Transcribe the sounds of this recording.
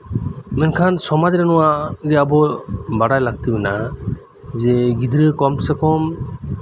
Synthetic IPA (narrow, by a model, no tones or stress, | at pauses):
mɛnkʰansɔmad͡ʒɾanuwaɡɛabɔbaɽajlaɡ̚t̪ibɛna | zɛɡid̪ɾɯkɔmsɛkɔm